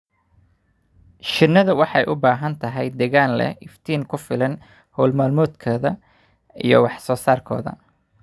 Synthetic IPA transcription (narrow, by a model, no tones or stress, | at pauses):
ʃɪnːɐðɐwɑħɑjʔʊbaːɦɐnt̪ʰɐɦɛjd̪ɛɣaːnlɛ̰ʔɪft̪ʰiːŋkʰʊfɪlɐn | hɔːlmaːlmɔːd̪kʰɔːðɐ | ijɞ̰wɑħsɔːsaːrkʰɔ̰ːðɐ̰